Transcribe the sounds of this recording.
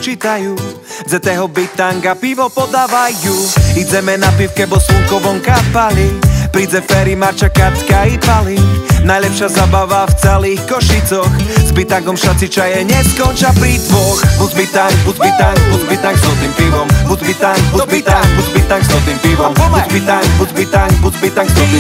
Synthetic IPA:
t͡ʃit̪ajuː | d͡zɛt̪ɛɦɔbit̪aŋɡapiʋɔpɔd̪aːʋajjuid͡zɛmɛnapiwkɛbɔsuŋkɔʋɔŋkapalipɾid͡zɛfɛɾimaɾt͡ʃakat͡skaipalinajlɛpʃɪazaːbaʋaft͡sɛliːxkɔʃit͡sɔxzbit̪aŋɡɔmʃat͡sit͡ʃajɛɲɛskɔnt͡ʃapɾid̪ʋɔxbuzbit̪aŋɡbubit̪aŋbuzbit̪aŋzɔt̪iːmpiʋɔmbuzbit̪aŋɡbubit̪aŋɡbubit̪aŋɡzɔt̪niːmpiʋɔmuzbit̪aŋkbuzbit̪aŋɡbuzbit̪aŋ

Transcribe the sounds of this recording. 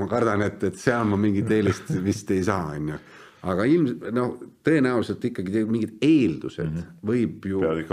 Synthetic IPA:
mɑkɑrd̪̥ɑne̞t̪ːˑet̪seɑlmɑmiŋɡit̪ːeːlist̪vist̪e̞jsɑːɑnʲːju | ɑɡ̥ɑilmno̞ht̪ɤ̞enæulise̞lt̪ːˑikːɑɡit̪eɡmiŋɡid̪eːld̪̥use̞̰d̪̥vɤjb̥juikː

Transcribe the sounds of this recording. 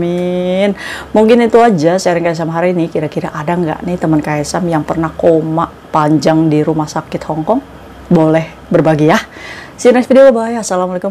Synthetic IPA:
mɪnmuŋkɪnit̪uad͡ʒasaɾɪŋkajs̬amaɦaɾinikiɾakiɾaʔadaŋɡa̰ʔnɪht̪əmənkaɛsamjaŋpərnahkomaʔ | paɲd͡ʒaŋdiɾumahsakɪt̪̚hɔŋkɔŋ | bolɛh | bərbaɡijah | sinasfidioəbajasalamalekʊm

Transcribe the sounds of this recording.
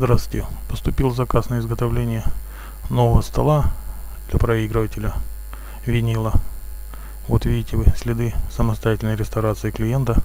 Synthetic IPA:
zd̪ɾast̪wʲɪtʲɪpə̥st̪ʊpʲilˠzɐkasnəɪzɡət̪ɐvlʲenʲɪjə | novəvəst̪ɐ̰lˠa | d̪lʲɐpɾɐiɡɾɨvətʲɪlʲə | vʲɪnʲilˠə | vot̪vʲidʲɪtʲɪvɨsʲlʲɪd̪ɨsəməst̪ɐjatʲɪlʲnəjɾʲɪst̪ɐɾat̪sɨɪklʲɪjent̪ə

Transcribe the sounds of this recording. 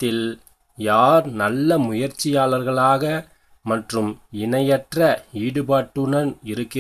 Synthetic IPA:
t̪ːɪl | jaːɾnɐlːɐmʊjɐɾt͡ʃːɪjaːlɐɾɣɐɭaːɣɐ | mɐʈrɯmɪnɐjɐʈrɐiːɽɯpaːʈːɯɳɐnɪɾɯkːɪ

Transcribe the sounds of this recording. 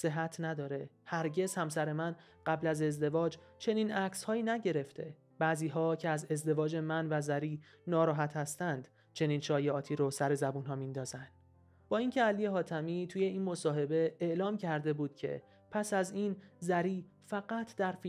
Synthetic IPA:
se̞ɦæt̪ʰnæd̪ɒːɾe̞ | hæɾɟe̞z̥hæmsæɾe̞mæn | ɢ̥æblæze̞zd̪e̞vɒːd͡ʒt͡ʃʰeniːnʔæcshɒːiːnæɟe̞ɾe̞ft̪ʰe̞̰ | b̥æːziːɦɒːcʰeæze̞zd̪e̞vɒːd͡ʒe̞mænvæzæɾiː | nɒːɾɒːɦæt̪ʰhæst̪ænd̪ | t͡ʃʰe̞niːnʃɒːjeɒːt̪ʰiːɾosæɾe̞zæbuːnɦɒːmind̪ɒːzænd̪̥ | b̥ɒːincʰeælijeɦɒːt̪ʰæmit̪ʰuːje̞iːnmo̞sɒːɦe̞be̞eʔlɒːmcʰæɾd̪e̞buːd̪̥̚cʰe̞̰ | pʰæsæzinzæɾiː | fæɣæt̪ʰd̪̥æɾfi

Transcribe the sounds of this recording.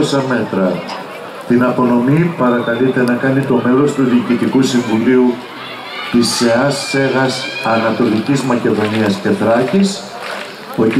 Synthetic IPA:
osɐme̞t̪ɾɐ | t̪inɐpo̞no̞mipɐɾɐkɐlit̪e̞nɐkɐnit̪o̞me̞lo̞st̪uðiːcit̪ikusiɱvuliu | t̪iseɐsːe̞ɣɐsɐnɐt̪o̞licizmɐce̞ðo̞niɐsce̞θɾɐçis | o̞

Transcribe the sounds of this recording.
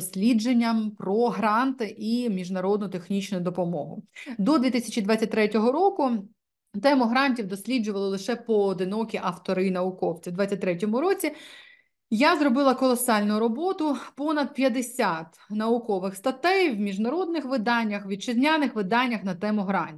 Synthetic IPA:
ɔsʲlʲid͡ʒenʲːɐmpɾɔɦɾɑnt̪ɪʔimʲiʒnɐɾɔd̪nʊt̪exnʲit͡ʃnʊjʊd̪ɔpɔmɔɦʊ̰d̪ɔd̪ʋʲit̪ɪsʲɐt͡ʃid̪ʋɑt͡sʲːɐt̚ʲt̪ɾɛtʲɔɦɔɾɔkʊ | t̪ɛmʊɦɾɑnʲtʲiwd̪ɔsʲlʲid͡ʒʊʋɐlˠɪlˠɪʃɛpɔːd̪ɪnɔkʲiʔɐft̪ɔɾɪnɐʊkɔwt͡sʲiwd̪ʋɑt͡sʲːɐt̚ʲt̪ɾɛtʲɔmʊɾɔt͡sʲi | jazrɔbɪlˠɐkɔlˠɔsɑlʲnʊɾɔbɔt̪ʊpɔnɐd̪̚pʲjɐd̪ɪsʲat̪ | nɐʊkɔʋɪxst̪ɐt̪ɛjwmʲiʒnɐɾɔd̪̚nɪxʋɪd̪ɑnʲːɐxʋʲid̪̚t͡ʃɪzʲnʲanɪxʋɪd̪ɑnʲːɐxnɐt̪ɛmʊɦɾɑnʲtʲ

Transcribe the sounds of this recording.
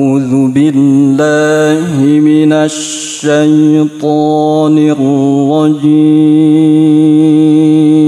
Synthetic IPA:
uːðʊbɪlːaːhɪmɪnaʃː | ajt̪ˤɑːnɪɾwɑd͡ʒi

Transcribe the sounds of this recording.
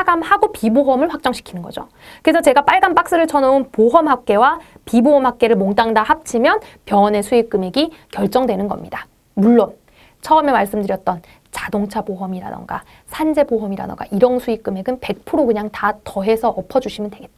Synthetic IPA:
aɡamhaɡopiboɦʌmɯɭɸwak̚t͡ɕ͈ʌŋɕʰi̥kʰinɯnɡʌ̰d͡ʑo | kɯɾesʰʌt͡ɕe̞ɡap͈aɭɡanp͈ak̚s͈ɯɾɯɭt͡ɕʰʌnounpoɦʌmɦak̚k͈e̞wapiboɦʌmɦak̚k͈e̞ɾɯɭmoŋt͈aŋdahap̚t͡ɕʰimjʌnpjʌne̞sʰuik͈ɯme̞ɡikjʌɭt͡ɕ͈ʌŋdwe̞nɯnɡʌ̰mɲid̥a | muɭːon | t͡ɕʰʌʌmemaɭs͈ɯmdɯɾjʌt̚t͈ʌn | t͡ɕadoŋt͡ɕʰaboɦʌmiɾa̰dʌ̰nɡa̰ | sʰand͡ʑe̞boɦʌmiɾa̰dʌ̰ɡa̰ʔiɾʌnsʰuik͈ɯme̞ɡɯnpe̞k̚pʰɯɾokɯɲaŋtatʌɦe̞sʰʌʔʌpʰʌd͡ʑuɕʰimɯndwe̞ɡe̞t͈̚

